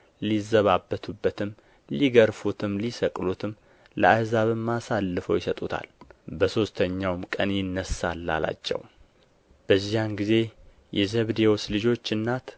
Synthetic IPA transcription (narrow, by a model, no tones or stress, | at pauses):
lizəβabːət̪ʰubːət̪ʰɨm | liɡəɾfut̪ʰɨmlisəkʼlut̪ʰɨm | lə̰ajzaβɨmːasalːɨfəwjɪsət̪ʼut̪ʰa̰lbəso̞st̪ʰəɲːawmkʼənjɪnːəsalːa̰la̰t͡ʃːɛ̰w | b̥əzːijanɡize̞ | jɛzəβd̪ewoslɨd͡ʒo̞t͡ʃːɨnːat̪